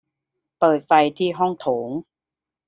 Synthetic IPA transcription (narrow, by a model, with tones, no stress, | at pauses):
pɤː˨˩t̪̚fa˧jt̪ʰiː˥˩ɦɔ˥˩ŋt̪ʰoː˩˦ŋ